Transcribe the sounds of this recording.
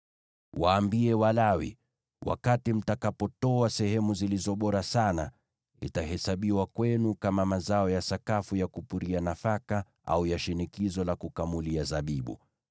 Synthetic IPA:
waːmbiɛwalawḭ | wʔa̰katim̩takapɔtɔasɛhɛmuzilizɔɓɔɾasana | ḭtaɦɛsaɓiwakwɛnukamamazaɔjasakafujakupuɾianafaka | ʔa̰ujaʃinikizɔlakukamuliazaɓiɓṵ

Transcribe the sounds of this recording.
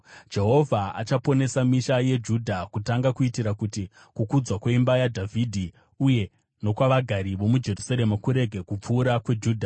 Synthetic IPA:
d͡ʒe̞ɦo̞vʱaa̰t͡ʃapo̞ne̞samiʃaje̞d͡ʒudʱakutaŋɡakuitiɾakuti | kukud͡zwakwe̞imbajadʱavʱidʱi | uje̞ | no̞kwaʋaɡʱaɾiʋo̞mud͡ʒe̞rusaɾe̞makuɾe̞ɡʱe̞kup͡fuːɾakwe̞d͡ʒuːdʱa

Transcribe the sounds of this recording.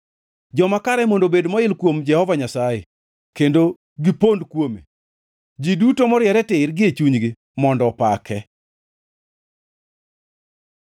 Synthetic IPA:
d͡ʒɔmakaɾɛmondobedmɔɪlkwomd͡ʒɛhɔvaɲasaje | kendo | ɡipondkwomḛ | d͡ʒidutomɔɾjɛɾɛtɪrɡɪet͡ʃuɲɡɪ | mɔndɔpakʰɛ

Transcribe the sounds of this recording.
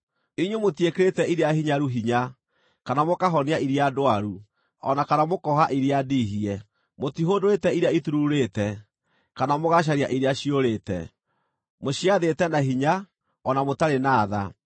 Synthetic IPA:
iɲwomotiekeɾetɛiɾeahiɲaɾuɦiɲa | kanamokaɦɔneaiɾiadoaɾu | ɔnakanamokɔɦaʔiɾeadiɦiɛ | motiɦodoetɛiɾeaituɾuɾetɛ | kanamoɣaɕ̬aɾiaʔiɾeaɕioɾeːtɛ̰ | moɕiaðetɛnaɦiɲa | ɔnamotaɾenaːða̰

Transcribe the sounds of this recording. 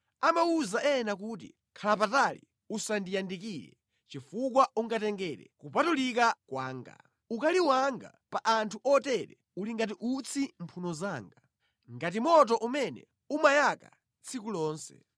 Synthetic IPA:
amauzaʔɛnakuːt̬ḭ | kʰalap̬atalḭ | usandijandikiɾɛ̰ | t͡ʃifukwaʔuŋɡatɛŋɡɛɾɛ̰kupatulikakwa̰ːŋɡa̰ | ukaliwaŋɡa̰paʔantʰuʔɔtɛɾɛ̰ | uliŋɡat̬iʔut͡sʰimpʰunɔzaːŋɡa | ŋɡat̬imɔt̬ɔʔumɛnɛ̰ | umajaka̰ | t͡sʰikulɔːnsɛ̰

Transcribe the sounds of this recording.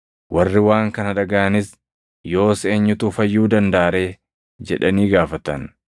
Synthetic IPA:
wʔɐrːɪwaːŋkɐnɐᶑɐɡɐʔɐnɪs | jo̞ːse̞ːɲːʊt̪uːfɐjːuːd̪ɐnd̪aʔːɾe̞ː | d͡ʒɛ̰ᶑɐniːɡaːfɐt̪ɐn

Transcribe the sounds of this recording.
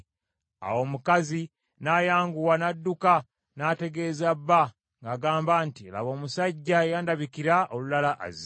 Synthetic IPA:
a̰wo̞ːmukazi | naːjaːŋɡuwanadːuka | naːte̞ɡe̞ːzabːa | ŋɡaːɡaːmbaːntiela̰βo̞ːmusaɟːaejaːndaβikiɾaolulalaʔa̰z

